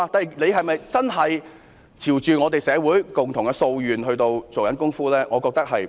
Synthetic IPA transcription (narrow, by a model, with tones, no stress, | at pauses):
a˧t̪aː˨i˨˩ne˨˧jɦɐ˨jmɐ˨jt͡sɐ˥nɦɐ˨j | t͡sʰiː˨˩wt͡ʃyː˨ŋɔː˨˧t̪e˨jsɛː˨˧wuː˨˥jkʊ˨˩ŋt̪ʰʊ˨˩ŋkɛ˧so˧wjyː˨nɦɵ˧ɥt̪o˧wt͡so˨wkɐ˨˥nkʊ˥ŋfuː˥lɛː˥ŋʔɔː˨˧kɔː˧k̚t̪ɐ˥k̚hɐ˨j